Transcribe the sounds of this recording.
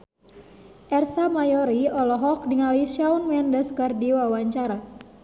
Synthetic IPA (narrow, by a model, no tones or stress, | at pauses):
ʔɛrsamajɔɾiɔlɔɦɔk̚diŋaliʃaunmɛndəskardiwawaɲt͡ʃaɾa